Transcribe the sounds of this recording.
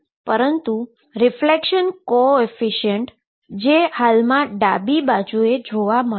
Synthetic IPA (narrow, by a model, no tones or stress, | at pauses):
pəɾənt̪u | ɾɪflekʃənkoefiʃiəɳʈ | d͡ʒehalmãɖabibad͡ʒued͡ʒoʋamə